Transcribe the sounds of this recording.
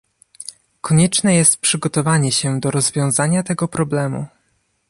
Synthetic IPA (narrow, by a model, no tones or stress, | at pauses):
kɔɲɛt͡ʂnɛjɛst̪̚pʂɘɡɔt̪ɔvaɲɛɕɛd̪ɔɾɔzvʲjɔ̃w̃zaɲat̪ɛɡɔpɾɔblɛmṵ